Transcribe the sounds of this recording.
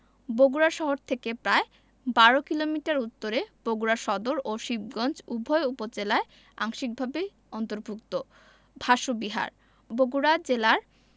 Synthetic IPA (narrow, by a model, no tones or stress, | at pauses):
boɡuɾaʃɔɦoɾt̪ʰekepɾae | baɾokilomiʈaɾut̪ːoɾeb̥oɡuɾaʃɔd̪oɾoʃib̚ɡɔnd͡ʑubʱɔeupod͡ʑelae | a̰ŋʃik̚bʱabe | ɔnt̪oɾbʱukt̪o | bʱaʃobiɦa̰ɾ | boɡuɾad͡ʑelaɾ